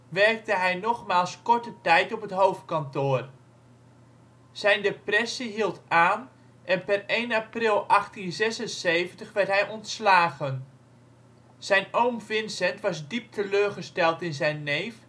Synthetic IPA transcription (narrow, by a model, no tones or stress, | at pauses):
ʋɛrk̚dəɦɛjnɔχmaːlˠskɔɹtətɛjtɔpətɦowft̚kɑntʊːr | z̥ɛjndeprɛsiɦilˠtaːn | ʔɛnpɛrejnaprɪlˠʔɑχtinzɛsənsejvəntəχʋɛɹtɦɛjʔɔntslaːχən | z̥ɛjnowmvɪnsɛntʋɑzdip̚tʰəløːrχəstɛlˠtɪnzɛjnːejf